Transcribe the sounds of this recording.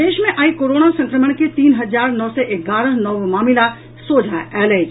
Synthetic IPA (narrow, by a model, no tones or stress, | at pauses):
d̪eːʃmẽʔaːikoːɾoːnasɐ̃ŋkɾəməɽ̃ket̪iːnɦɐzaːɾnɔːsɔʔeɡaːɾəɦnɔʋmaːmɪla | soːd͡ʒʱaʔɛːlad͡ʒ